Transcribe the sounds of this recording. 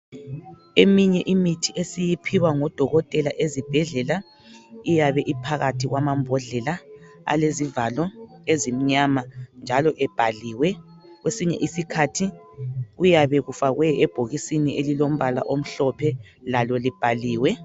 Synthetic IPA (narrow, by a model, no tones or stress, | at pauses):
emiɲɛʔimitʰiʔesijipʰiwaŋɔd̥ʱɔɣɔtʼɛlaʔezib̥ʱɛɮɛla | ijaβɛʔipʰaɣatʰiɣwamambʱɔɮɛlaa̰lezivalɔezim̩ɲamand͡ʒʱalɔʔɛb̥ʱaliːwɛ | ɣwesiɲɛ̰ʔisikʰatʰiɣujaβɛɣufaɣwɛɛb̥ʱoɣisiniʔelilom̩βala̰ʔom̩ɬɔpʰɛlalɔlib̥ʱaliːwɛ